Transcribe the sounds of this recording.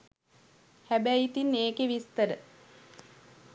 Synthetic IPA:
hæbæjit̪inːeːkeʋist̪əɾə

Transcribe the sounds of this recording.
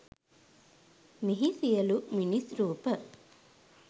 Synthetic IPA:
miɦisijəluminisɾuːpə

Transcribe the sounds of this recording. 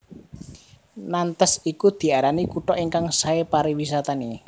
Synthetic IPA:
nant̪əsikud̪̥i̤aɾanikuʈɔʔiŋkaŋsaepaɾiwisat̪ani

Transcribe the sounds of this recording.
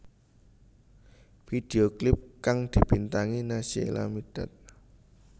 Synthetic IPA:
fid̪̥eoklɪp̚kaŋd̪̥i̤b̥int̪aŋinasiḛla̰mid̥a̤t̪̚

